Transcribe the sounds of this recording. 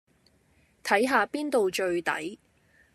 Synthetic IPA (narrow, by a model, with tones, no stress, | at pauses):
t̪ʰɐ˨˥jɦaː˨˧piː˥nt̪o˨wt͡ʃɵ˧ɥt̪ɐ̰˨˥j